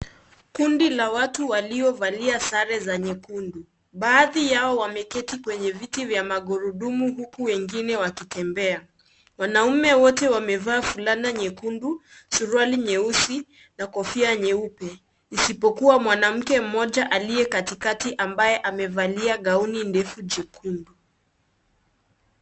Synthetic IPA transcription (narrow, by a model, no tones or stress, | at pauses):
kundilawatuwaliɔvaliasaɾɛzaɲɛkundu | ɓaːðijaɔwamɛkɛtikwɛɲɛvitivjamaɠuɾuɗumuɦukuwɛŋɡinɛwakitɛmbɛa | mwanaumɛwɔtɛwamɛvaːfulanaɲɛkundu | suɾaliɲɛusi | nakɔfiaɲɛupɛ | isipɔkuwamwanam̩kɛm̩mɔʄaʔaliɛkatikatiʔambajɛʔamɛvaliaɠaunindɛfud͡ʒɛkʰundu